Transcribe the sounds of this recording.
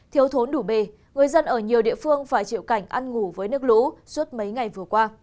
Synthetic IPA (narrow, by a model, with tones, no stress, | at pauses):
t̪ʰi˨˦əwt̪ʰo˨˦nɗu˧˩ɓe˨˩ | ŋɨ˨˩əjzə˧nʔəː˧˩ɲi˨˩əwɗḭ˧˨əfɨ˧əŋfaː˧˩jt͡ɕḭ˧˨əwka˧˩jŋ̟ʔa˧nŋu˧˩vəː˨˦jnɨ˦˥k̚lṵ˧˥su˦˥ət̚mə˨˦jŋa˨˩jvɨ˨˩əkwaː˧